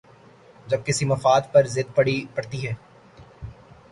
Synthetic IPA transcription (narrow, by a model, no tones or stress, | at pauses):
d͡ʒɐb̚kɪsimɐfaːd̪̚pɐɾzɪd̪̚pɐɽipɐɽt̪iɦɛː